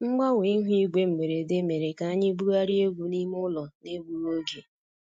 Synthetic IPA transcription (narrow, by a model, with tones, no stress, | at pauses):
ŋ͡m̩˦ɡ͡ba˦we˨i˦ɦʷi˦ɡe˦m̩˨me˨ɾe˨de˦me˨ɾe˨ka˨a˦ɲɪ˦bu˦ɾa˦ɾi˦e˦ɡʷu˨ni˦m˦ʊ˦lɔ˨ne˦bu˦ɾo˦ɡe˨